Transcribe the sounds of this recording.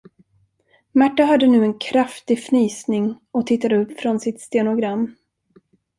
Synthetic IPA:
mæʈːaɦad̪ːənʉ̟ːɛnkʰɾaft̪ɪɡfnyːsnɪŋ | ɔt̪ʰɪt̪ːad̪əɵpːfɾɔnsɪt̪st̪eːnʊɡɾamː

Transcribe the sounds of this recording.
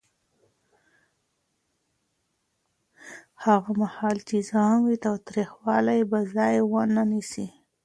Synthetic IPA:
haɣamahɑlt͡ʃezanwit̪ɑwt̪ɾixwɑlajbazɑjwənanisi

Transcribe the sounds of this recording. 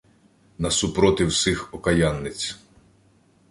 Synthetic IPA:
nɐsʊpɾɔt̪ɪwsɪxɔkɐjanːɪt͡sʲ

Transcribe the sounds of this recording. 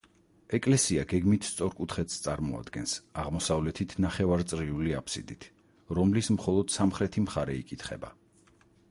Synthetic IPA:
ɛkʼlɛsiaɡɛɡmit̪ʰst̪sʼɔɾkʼut̪ʰχɛt̪st̪sʼaɾmɔa̰d̪ɡɛnsaʁmɔsavlɛt̪ʰit̪ʰnaχɛvaɾt̪sʼɾiuliapʰsḭd̪it̪ʰ | ɾɔmlismχɔlˠɔd̪̥samχɾɛt̪ʰimχaɾɛikʼit̪ʰχɛ̰ba̰

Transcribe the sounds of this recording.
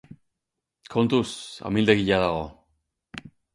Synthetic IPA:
kʰo̞nt̪usa̰mild̪eɣiʎaðaɣo̞

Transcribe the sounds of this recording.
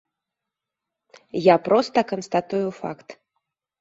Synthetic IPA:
japɾɔst̪ɐkɐnst̪at̪ujufa̰kt̪

